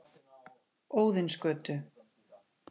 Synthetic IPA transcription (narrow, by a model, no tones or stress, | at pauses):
oːwðɪnskœːt̪ʏ